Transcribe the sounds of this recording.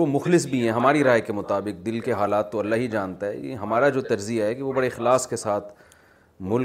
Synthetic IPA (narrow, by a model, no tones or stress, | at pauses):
omʊxlɪs̬bʱiɦɛ̃ɦɐmaːɾiɾaːjkemʊt̪aːbɪk̚d̪ɪlkeɦaːlaːt̪ːoɐlːaɦid͡ʒaːnt̪aɦɛ̰jḛɦɐmaːɾad͡ʒoːt̪ɐɾzijaɦɛkieʋobɐɽeɪxlaːskesaːt̪ʰ | mʊl